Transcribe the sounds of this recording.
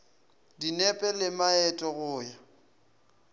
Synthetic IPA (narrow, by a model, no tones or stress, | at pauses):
dinɛpʼɛlɪmaɛtʼɔɣʊːja